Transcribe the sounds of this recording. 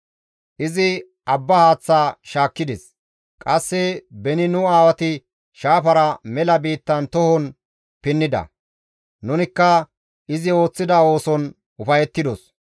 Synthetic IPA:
ʔɪzɪ | ɐbːɐhaːt͡sːaːʃaːkːɪd̪ɛs | kʼɐsːɛbɛnɪnʊaːwɐt̪ɪ | ʃaːpɐɾɐmɛlɐbiːt̪ːɐnt̪ɔhɔn | pɪnːɪd̪ɐ̰ | nʊnɪkːɐ | ʔɪzɪo̞ːt͡sːɪd̪ɐo̞ːsɔn | ʊfɐjɛt̪ːɪd̪ɔs

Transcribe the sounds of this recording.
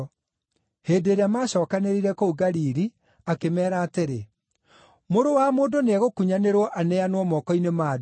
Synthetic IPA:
heːdeːɾeamaːɕɔːkaneɾiɾɛkouɡaɾiːɾi | akemɛːɾaːteɾe | moɾowamoːdoneaɣokuɲaneɾwɔʔanɛanowɔmɔkɔinemaːd

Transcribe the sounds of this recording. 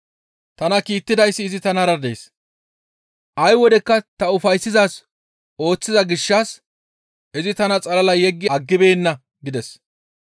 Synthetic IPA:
t̪ɐnɐkiːt̪ːɪd̪ɐjsːɪːzɪt̪ɐnɐɾɐd̪e̞ːs | ʔɐjwɔd̪ɛkːɐt̪ɐʊfɐjsːɪzaːs | o̞ːt͡sːɪzɐɡɪʃːaːs | ɪzɪt̪ɐnɐt͡sʼɐlɐlɐjɛɡːɪɐɡːɪbe̞ːnːɐ | ɡɪd̪ɛs

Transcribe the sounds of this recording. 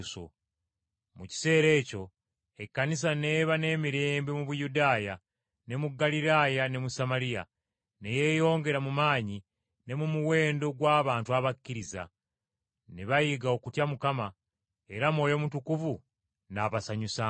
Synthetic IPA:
so̰ | muci̥se̞ːɾe̞ːco̞ | e̞kːanis̬ane̞ːβane̞ːmiɾe̞ːmbemuβujudaːja | ne̞muɡaliɾaːjane̞musamaɾija̰ | neje̞jo̞ːŋɡe̞ɾamumaːɲi | ne̞mumuwe̞ːndo̞ɡwaːβaːntuaβakːiɾiza̰ | neβajiɡao̞kutjamukama | e̞ɾamo̞ːjo̞mutukuvu | naβasaɲusa

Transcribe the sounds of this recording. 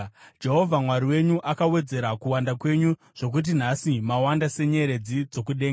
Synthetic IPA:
d͡ʒe̞ɦo̞vʱamwaɾiwe̞ɲuʔakawe̞d͡ze̞ɾakuwandakwe̞ɲu | ʐ̥o̞k̬ut̬in̤asimawandase̞ɲe̞ɾe̞d͡zid͡zo̞kuɗeːŋɡaa

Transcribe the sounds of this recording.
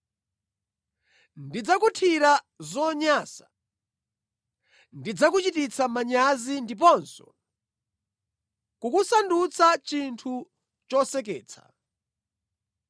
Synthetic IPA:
ndid͡zakutʰiɾa | zɔɲasa | ndid͡zak̬ut͡ʃitit͡sʰamaɲazindip̬ɔnsɔ̰ | kukusandut͡sʰat͡ʃintʰu | t͡ʃɔsɛk̬ɛːt͡sʰḁ̰

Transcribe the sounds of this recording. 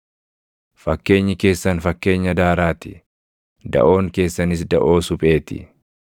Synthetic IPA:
fɐkːe̞ːɲːɪke̞ːsːɐnfɐkːe̞ːɲːɐd̪aːɾaːt̪ɪ̥ | d̪ɐ̰ʔo̞ːŋke̞ːsːɐnɪs̬d̪ɐʔo̞ːsʊpʼeːt̪ɪ̰

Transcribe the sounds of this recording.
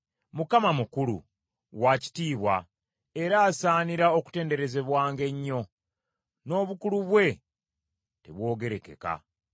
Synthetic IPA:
mukamamukulṵ | waci̥tiːβwa̰ | e̞ɾaːsaːniɾao̞ku̥te̞ːnde̞ɾe̞ze̞βwaːŋɡe̞ɲːo̞ | no̞ːβukuluβwe̞ | te̞̰βwo̞ːɡe̞ɾe̞ke̞̰ka̰

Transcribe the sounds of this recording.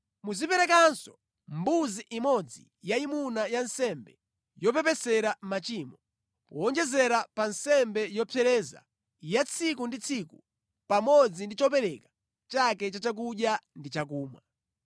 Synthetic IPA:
muzipɛɾɛkansɔ | mbuziʔimɔd͡zḭ | jaimunajansɛmbɛ | jɔpɛpɛsɛɾamat͡ʃiːmɔ | pɔɔnd͡ʒɛzɛɾapansɛmbɛjɔpʰɛɾɛːza̰ | jat͡sʰikundit͡sʰiku | pamɔd͡zindit͡ʃɔpɛɾɛkḁ | t͡ʃakɛt͡ʃat͡ʃak̬uɗjandit͡ʃak̬uːma̰

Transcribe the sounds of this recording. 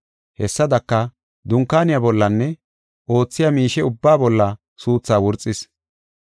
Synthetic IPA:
hɛsːɐd̪ɐkːɐ | d̪ʊŋkːaːnɪjabɔlːɐnːɛ | ʔo̞ːt͡sːɪjamiːʃɛʊbːaːbɔlːɐ | suːt͡sːaːwʊɾt͡sʼːɪs

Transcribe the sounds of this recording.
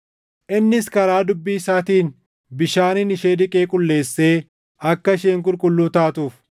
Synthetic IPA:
ʔɪnːɪskɐɾaːd̪ʊbːiːsaːt̪iːn | bɪʃaːnɪnɪʃeːd̪ɪkʼeːkʼʊlːe̞ːsːe̞ː | ɐkːɐʃeːŋk̬ʼʊlkʼʊlːuːt̪aːt̪uːf

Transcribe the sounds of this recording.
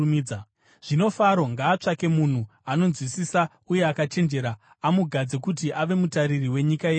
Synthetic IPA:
mid͡z | ʐ̥ino̞faɾo̞ŋɡaːt͡ʂake̞mun̤uano̞nzwisisa | uje̞akat͡ʃe̞nd͡ʒe̞ɾaː | muɡʱad͡zekut̬iʔaʋe̞mutaɾiriwe̞ɲikajeː

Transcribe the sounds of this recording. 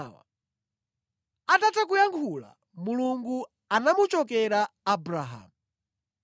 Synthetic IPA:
wa̰ | atatak̬ujaŋkʰula̰ | muluŋɡu | anamut͡ʃɔk̬ɛɾaːbɾaɦa̰ːmu

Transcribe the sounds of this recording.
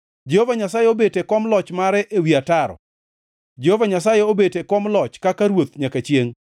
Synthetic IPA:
d͡ʒehovaɲasajeobetekɔmlɔt͡ʃmaɾɛʔewiataɾɔ̰ | d͡ʒehovaɲasajeobetekɔmlɔt͡ʃkakaɾwot̪ɲakat͡ʃjeŋ

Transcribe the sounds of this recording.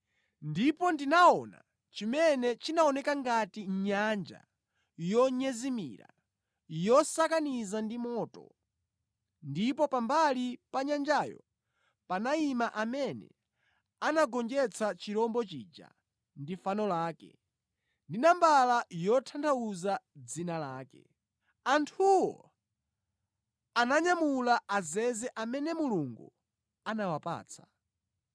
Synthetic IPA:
ndipɔndinaɔna̰ | t͡ʃimɛnɛt͡ʃinaɔnɛkaŋɡatiɲand͡ʒa̰ | jɔɲɛzimḭɾa̰ | jɔsakanizandimɔːtɔ̰ | ndipɔpambalipaɲand͡ʒajɔ̰ | panaimaʔamɛnɛ̰ | anaɡɔnd͡ʒɛt͡sʰat͡ʃiɾɔmbɔt͡ʃiːd͡ʒa̰ | ndifanɔlaːkɛ̰ | ndinambalajɔtʰantʰauzad͡zinalaːkɛ̰ | antʰuwɔ̰ | anaɲamulaʔazɛzɛʔamɛnɛmuluŋɡṵ | anawapa̰ːt͡sʰḁ

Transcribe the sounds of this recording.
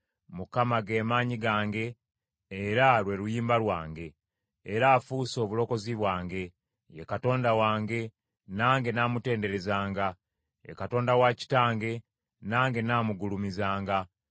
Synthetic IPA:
mukamaɡeːmaːɲiɡaːŋɡe̞ː | ɾalwe̞ɾujiːmbalwaːŋɡe̞ː | ɾaːfuso̞ːβulo̞ko̞ziβwaːŋɡe̞ | jekato̞ːndawaːŋɡe̞ | naːŋɡe̞naːmute̞ːnde̞ɾe̞zaːŋɡa | jḛkato̞ːndawaci̥taːŋɡe̞ | naːŋɡe̞naːmuɡulumizaːŋɡa

